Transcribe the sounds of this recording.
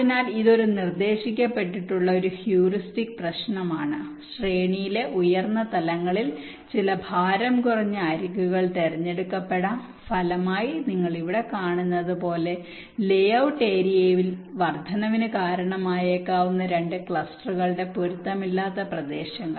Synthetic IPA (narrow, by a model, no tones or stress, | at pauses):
inaːliðo̞ɾunird̪e̞ːɕikʲːɐpːe̞ʈːiʈːuɭːɐo̞ɾuhjuːristikprɐɕɳɐmaːɳɨɕreːɳijile̞ʔujɐrnːɐt̪ɐlɐŋːɐɭil | t͡ɕilɐbʱaːɾɐmkurɐɲːɨaːɾikːuɣɐɭt̪erɐɲːe̞ɽukːɐpːe̞ɽaːm | fɐlɐmaːjiniŋːɐɭiʋiɽe̞kaːɳunːɐðɨpo̞ːle̞ | le̞jɐwʈːeːɾijeːʋilʋɐrd̪ʱɐnɐʋinɨkaːɾɐɳɐmaːjekːaːʋunːɐɾe̞ɳɖɨkɭɐsʈɐrrɨɣɐɭɽe̞poɾut̪ːɐmilːaːt̪ːɐprɐd̪e̞ːɕɐŋːɐ̰